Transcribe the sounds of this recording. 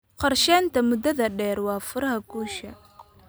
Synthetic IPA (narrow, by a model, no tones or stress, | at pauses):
qɑrʃɛːnt̪ʰɐmʊd̪ɐðɐɖɛːrwɑːfʊɾɐɦɐɡuːʃɐ